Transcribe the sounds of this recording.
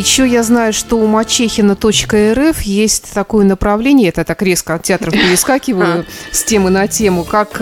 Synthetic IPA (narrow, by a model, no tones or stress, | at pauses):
jɪɕːojaznajʊʂt̪o̞ʊmɐt͡ɕexʲɪnət̪o̞t͡ɕkəɛɾɛfjesʲtʲt̪ɐko̞jənəpɾɐvlʲenʲɪjət̪ət̪akɾʲeskəɐt̪tʲɪat̪ɾəfpʲɪɾʲɪskakʲɪvəjʊsʲtʲemɨnɐtʲe̞mʊkak